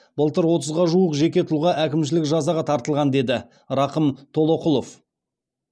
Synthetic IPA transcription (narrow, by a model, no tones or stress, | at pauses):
bəlˠt̪əɾwo̞t̪əzʁɑʒuəqʒe̞kʲe̞t̪ʰʊlˠʁɑʔækʲɪmʃ̬ɪlɪkʒɑzɑʁɑt̪ʰɑɾt̪əlˠʁɑnd̪e̞d̪ɪ | ɾɑqəmt̪ʰo̞lˠo̞qʊlˠo̞f